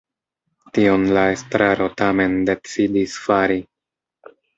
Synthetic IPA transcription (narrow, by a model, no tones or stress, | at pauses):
tio̞nlae̞stɾaɾo̞tame̞nde̞t͡sidisfaɾi